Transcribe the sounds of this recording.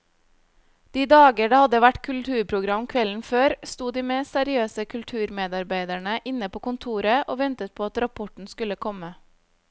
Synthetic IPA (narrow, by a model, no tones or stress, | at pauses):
d̪̥iːd̪ɑːɡəɖɑːhɑd̪əʋæʈkʰʉlt̪ʰʉːɾpʰɾʊɡɾɑmkʰʋɛln̩føːɾst̪uːd̪iːmeːsæɾɪøːsəkʰʉlt̪ʰʉːɾmeːd̪ɑɾbæɪd̪æɳəʔɪnəpʰoːkʊnt̪ʰuːɾəʔoːʋɛnt̪ət̪̚pʰoːɑt̪ɾɑpʰɔʈɳ̩skʉləkʰɔmə